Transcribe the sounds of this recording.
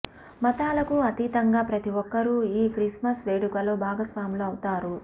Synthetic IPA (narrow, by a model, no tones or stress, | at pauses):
mɐt̪aːlɐkuɐt̪iːt̪ɐŋɡaːpɾɐt̪iʋɔkːɐɾuiːkɾismɐsʋeːɽukɐloːbʱaːɡɐsʋaːɐmloːɐwut̪aːɾu